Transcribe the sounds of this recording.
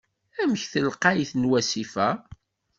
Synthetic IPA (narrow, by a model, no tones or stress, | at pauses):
æməçθəlqɑjθnwæsifæ